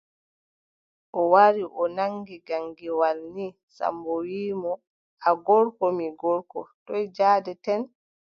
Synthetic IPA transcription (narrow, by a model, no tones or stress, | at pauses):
ʔɔwaɾiʔɔnaŋɡiɡaŋɡiwalni | sa̰mbɔwiːmɔ | aɡɔɾkɔmiɡɔɾkɔ̰tɔjd͡ʒaːdɛtɛn